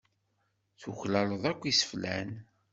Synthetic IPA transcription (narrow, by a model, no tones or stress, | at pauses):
θuçlæləðˤækʷːisə̥flæn